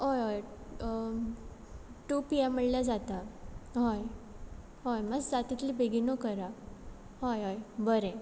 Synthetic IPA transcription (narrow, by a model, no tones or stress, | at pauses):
ɦojɦoj | ʈupiɛməɭljad͡zat̪aɦoj | ɦojməd͡zd͡zat̪it̪libʱeɡinokəɾa | ɦojɦojbəɾẽ